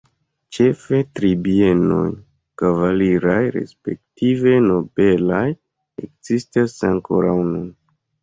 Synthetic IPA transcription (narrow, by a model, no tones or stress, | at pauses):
t͡ʃe̞fe̞tɾibie̞no̞̰j | kavaliɾajɾe̞̰spe̞k̚tive̞no̞be̞laj | ḛkzistasaŋkʰoɾawnun